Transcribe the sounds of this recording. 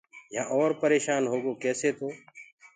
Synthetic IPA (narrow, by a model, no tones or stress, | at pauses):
jã̰ːʔɔːɾpəɾeːʃaːnɦoːɡoːkɛːseːt̪ʰoː